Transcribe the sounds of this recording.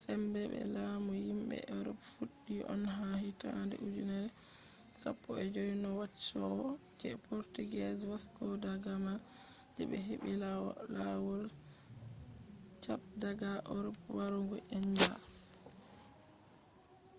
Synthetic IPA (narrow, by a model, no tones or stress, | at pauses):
sɛmbɛɓɛ̰laːmujimbɛ̰ʔɔɾɔpfuɗːiʔɔ̰nɦahita̰ndɛ̰ʔud͡ʒunɛɾ | sa̰pːɔɛd͡ʒojinɔwat͡ʃːɔɔ | kɛpʰoɾtuɡɛswaskɔdaɡama | dḭɓɛɦiɓillawɔl | t͡ʃap̚daɡaʔɔɾɔpwaɾuŋɡɔʔɛnda̰